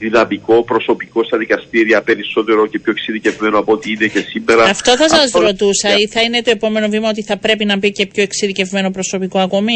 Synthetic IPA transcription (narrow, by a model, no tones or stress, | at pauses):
ðiðɐmiko̞pɾo̞so̞piko̞st̪ɐðikɐst̪iɾiɐpe̞ɾiso̞t̪e̞ɾocepçoeksiðice̞vme̞noɐpoot̪iine̞ce̞simːe̞ɾɐɐft̪o̞θɐsɐzɾo̞t̪usɐiθɐine̞t̪oe̞po̞me̞novimɐo̞t̪iθɐpɾe̞pinɐbice̞pço̞eksiðice̞vme̞no̞pɾoso̞piko̞ɐko̞mi